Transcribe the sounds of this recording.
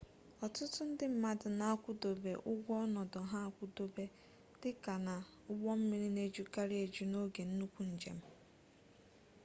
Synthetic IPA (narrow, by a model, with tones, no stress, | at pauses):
ɔ˨tʊ˦tʊ˦n̩˦dɪ˦m̩˨ma˨dʊ˨na˨a˦kʷʊ˦do˨bḛ˨ʔʊ˦ɡʷɔ˦ɔ˦nɔ˨dɔ˨ɦa˦a˦˨kʷʊ˦do˦be˦ | d̥ɪ˦ka˨na˨ | ʊ˦ɡ͡bɔ˦m̩˦mi˨˦ɾi˦ne˦d͡ʒu˦ka˦ɾi˦e˨d͡ʒu˦no˦ɡe˨n̩˦nu˦kʷu˨n̩˨d͡ʒḛ˨m̩˦